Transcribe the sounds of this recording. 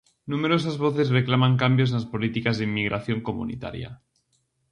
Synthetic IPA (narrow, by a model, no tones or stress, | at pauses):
numeɾos̬azβoθezreklamaŋkambjoznaspolit̪ikazðemːiɣɾʔaθjoŋkomṵnḭt̪a̰ɾja̰